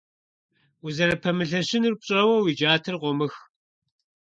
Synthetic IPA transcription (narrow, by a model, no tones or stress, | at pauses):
uzɐɾɐpʰɐmɨɬɐɕɪnɨrp̚ɕʼɐwɐwid͡ʒaːtʰɨrqʷɔmɨx